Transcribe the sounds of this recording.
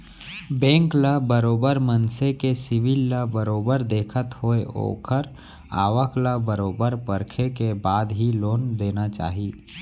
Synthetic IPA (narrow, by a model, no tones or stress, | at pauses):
bɛ̃ːŋklabəɾoːbəɾmənsekesɪʋilːabəɾoːbəɾd̪eːkʰət̪hoeo̰ːkʰəɾ | a̰ːʋəklabəɾoːbəɾpəɾkʰekebaːd̪ɦiloːnd̪eːnat͡ʃa̰ːɦiː